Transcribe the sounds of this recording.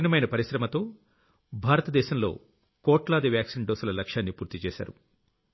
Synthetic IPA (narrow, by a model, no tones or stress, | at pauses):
nɐmɐjnɐpɐɾiʃɾɐmɐt̪o̞ː | bʱaːɾɐt̪ɐd̪ɛːʃɐmlo̞̰ː | kɔːʈlaːd̪ɐʋjaːksinɖoːsulɐlɐkʂjaːnːipuːɾt̪it͡ʃɛ̰ːʃa̰ːɾu